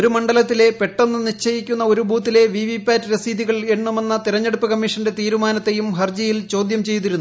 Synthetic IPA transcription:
o̞ɾumɐɳɖɐlɐt̪ːile̞pe̞ʈːonːɨnit͡ɕːɐjikʲːunːɐo̞ɾubuːt̪̬ːile̞ʋiːʋipːaːtːiɾɐsiːðiɣɐɭeɳːume̞nːɐt̪iɾɐɲːe̞ɽupːɨkɐmːiʂɐnde̞t̪iːɾumaːnɐt̪ːe̞jumɦɐrd͡ʑɐjilt͡ɕo̞ːd̪jɐmt͡ɕe̞jt̪iɾunː

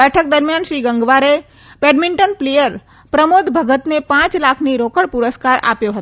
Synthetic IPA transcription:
bɛʈʰək̚d̪əɾmjanʃɾiɡəŋɡʋaɾe | peɖmiɳʈənplejəɾ | pɾəmod̪bʱəɡət̪nepãt͡ʃlakʰniɾokəɽpʊɾəskaɾa̰pjoɦət̪

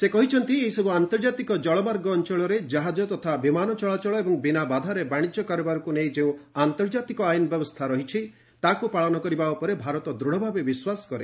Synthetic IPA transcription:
sekɔɦit͡ʃʰɔnt̪ieɦisɔbuant̪ɔɾɔd͡ʒat̪ikɔd͡ʒɔɭɔbaɾɡɔːnt͡ʃɔɭɔɾed͡ʒaɦad͡ʒɔt̪ɔt̪ʰabimanɔt͡ʃɔɭat͡ʃɔɭɔebɔŋbinabad̪ʱaɾebaɽ̃id͡ʒjɔkaɾɔbaɾɔkunejd͡ʒeũant̪ɔɾd͡ʒat̪ikɔajnɔbjɔbɔst̪ʰaɾɔɦit͡ʃʰi | t̪akupaɭɔnɔkɔɾibaupɔɾebʱaɾɔt̪ɔd̪ɾuɽ̤ɔbʱabebiswasɔ̥kɔɾe

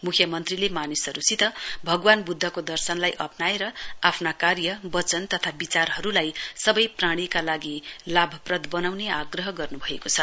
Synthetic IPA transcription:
mukʰjʌmʌnt̪rilemanisʌɾusit̪ʌbʱʌɡwanbud̪ʱːʌkod̪ʌrsʌnlajʔʌ̰pnaeɾʌapʰnakarjʌbʌt͡sʌnt̪ʌt̪ʰabit͡sarɦʌɾulajsʌbʌjpraɽ̃ikalaɡilabʱʌprʌd̪ʱbʌnawneaɡrʌɦʌɡʌrnubʱʌekot͡sʰʌ

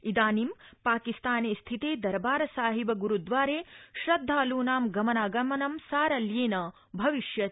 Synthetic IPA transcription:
id̪aːnimpaːkist̪aːneːst̪ʰit̪eːd̪ɐɾbaːɾɐsaːɦibɐɡuɾud̪ʋaːɾeːʃɾɐd̪ʱːaːluːnaːmɡɐmɐnaːɡɐmɐnɐmsaːɾɐljeːnɐ | bʱɐʋiʃjɐ

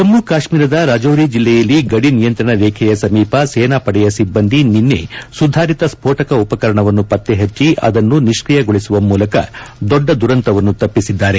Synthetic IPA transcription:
t̪ɐmːukaːʂmiːɾɐd̪ɐɾaːd͡ʒoːɾid͡ʒilːɛjɐlːiɡɐɽinijɐnt̪ɾɐɳɐleːkʰɛjɐsɐmiːpɐsɛːnaːpɐɽɛjɐsibːɐnd̪ininːe̞̰sud̪ʱaːɾit̪ɐspʰoːʈɐkɐupɐkɐɾɐɳɐʋɐnːupɐt̪ːeɦɐt͡ʃːiʔɐ̰d̪ɐnːuniʂkɾijɐɡoɭisuʋɐmuːlɐkɐ̰d̪ɔɖːɐd̪uɾɐnt̪ɐʋɐnːut̪ɐpːisid̪ːaːɾe̞

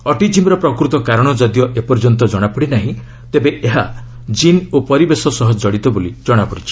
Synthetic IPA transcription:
ɔʈid͡ʒimɾɔpɾɔkɾut̪ɔkaɾɔɽ̃ɔd͡ʒɔd̪jɔʔepɔɾd͡ʒɔnt̪ɔd͡ʒɔɽ̃apuɽinaɦĩ | t̪ebeʔeɦa | d͡ʒinopɔɾibesɔsɔɦɔd͡ʒɔɽit̪ɔbolid͡ʒɔɽ̃apɔɽit͡ʃʰi̥

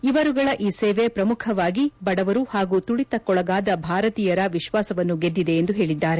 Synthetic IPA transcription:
iʋɐɾuɡɐɭɐʔiːseːʋepɾɐmukʰɐʋaːɡibɐɽɐʋɐɾuhaːɡut̪uɭit̪ɐkɔɭɐɡaːd̪ɐbʱaːɾɐt̪iːjɐɾɐʋiʃʋaːsɐʋɐnːuɡed̪ːid̪e̞ːnd̪uɦe̞ːɭid̪ːaːɾe̞

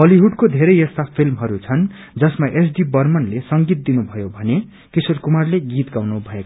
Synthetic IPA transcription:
ʌliɦuɖkod̪ʱeɾʌjʌst̪apʰilmɦʌɾut͡sʰʌn | d͡zʌsmaʔesɖibʌrmʌnlesʌŋɡit̪̚d̪inubʱʌjobʱʌne | kisorkumarleɡit̪ɡawnubʱʌeka

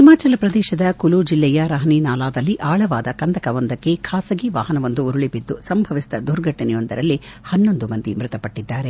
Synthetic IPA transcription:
ɦimaːt͡ʃɐlɐpɾɐd̪ɛːʃɐd̪ɐkulud͡ʒilːɛjɐɾɐɦɐniːnaːlaːd̪ɐlːiʔaːɭɐʋaːd̪ɐkɐnd̪ɐkɐʋɐnd̪ɐkːe̞kʰaːsɐɡiʋa̰ːɦɐnɐʋɐnd̪uːɾuɭibid̪ːusɐmbʱɐʋist̪ɐd̪uɾɡʱɐʈːɐnɛjond̪ɐɾɐlːihɐnːo̞nd̪umɐnd̪imɾɪt̪ɐpɐʈːid̪ːaːɾe

